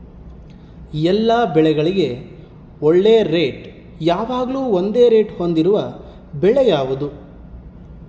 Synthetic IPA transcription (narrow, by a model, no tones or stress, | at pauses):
ɛlːaːbɛɭɛɡɐɭiɡe̞ | oɭːeːɾeːʈ | jaːʋaːɡɐɭuːond̪e̞ːɾe̞ːʈhond̪iɾuʋɐ | bɛɭɛjaːʋud̪u